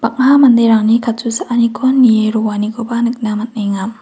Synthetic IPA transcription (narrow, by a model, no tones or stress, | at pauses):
b̥ak̚ɦamand̪eɾaŋnikʰatusaʔanikʰɔnːieɾuwaniɡobanɯk̚namat̪̚najŋam